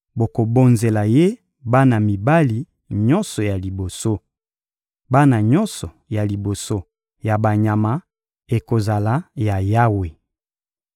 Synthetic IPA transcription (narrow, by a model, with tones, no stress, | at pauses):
bo˨ko˨bo˨nze˨la˨je˦ | ba˦na˨mi˨ba˦li˨ | ɲɔ˦nsɔ˨ja˨li˨bo˨so˦ | ba˦na˨ɲɔ˦nsɔ˨ja˨li˨bo˨so˦ | ja˨ba˨ɲa˨ma˦ | e˨ko˨za˨la˦ja˨ja˦we˨